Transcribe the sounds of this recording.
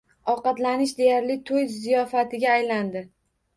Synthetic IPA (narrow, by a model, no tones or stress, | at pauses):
ɒqɑt̪lanɪʃd̪e̞jaɾlɪt̪ʰoj̪zijɒfat̪ʰɪɡʲaːjland̪ɪ